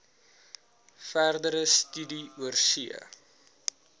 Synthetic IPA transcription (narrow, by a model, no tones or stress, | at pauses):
færdəɾəstydiuərsiə̰